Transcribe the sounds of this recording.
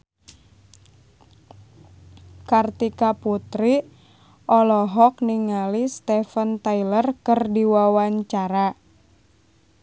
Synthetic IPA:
kart̪ikaput̪ɾi | ʔɔlɔɦɔk̚niŋalist̪ɛfənt̪ailərkɨrdiwawaɲt͡ʃaɾa

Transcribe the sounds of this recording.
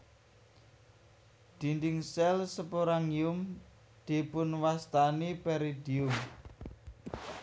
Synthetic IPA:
d̪̥i̤nd̪ɪŋsɛlsəpoɾaŋjʊm | d̪̥e̤pʊnwast̪anipɛɾid̪iʊm

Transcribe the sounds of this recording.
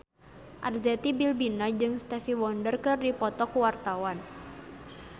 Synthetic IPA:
ʔarzɛt̪ibilbinad͡ʒɨŋst̪ɛfiwɔndərkɨrdipɔt̪ɔkuwart̪awan

